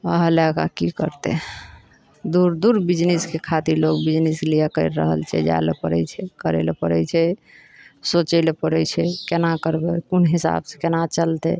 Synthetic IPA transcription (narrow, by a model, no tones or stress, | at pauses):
əɦəlɛka̰kikə̰ɾt̪ɛ̰ | d̪uɾd̪uɾbid͡ʒniskekʰat̪iɾlokbid͡ʒnislijakəɪɾːə̰ɦə̰lt͡ʃʰɛ̰d͡ʒa̰lepəɾɛ̰t͡ʃʰɛkəɾḛlepəɾɛt͡ʃʰɛ | sot͡ʃəlepəɾɛt͡ʃʰɛkenakəɾbɛkunɦisa̰bse̥kenat͡ʃəlt̪ɛ̰